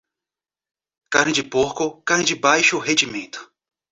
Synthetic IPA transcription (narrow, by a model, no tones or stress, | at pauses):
kanĩd͡ʒipohkokanĩd͡ʒibajʃoɦed͡ʒimẽt̪ʊ̥